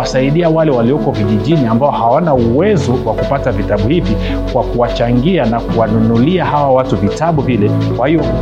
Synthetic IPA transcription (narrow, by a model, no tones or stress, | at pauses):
asaiɗiawalɛwaliɔkɔviʄiʄiniambaɔhawanauwɛzɔwakupatavitaɓuhivi | kwakuwat͡ʃaŋɡianakuwanunuliahawawatuvitaɓuvilɛkwahijɔ